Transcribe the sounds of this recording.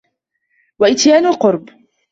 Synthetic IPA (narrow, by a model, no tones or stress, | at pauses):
waʔɪt̪jaːnʊlqʊɾˤb